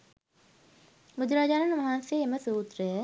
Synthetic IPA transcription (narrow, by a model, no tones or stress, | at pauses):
mud̪ɾad͡ʒaːnɐnmɐɦanseeməsuːt̪ɾəjə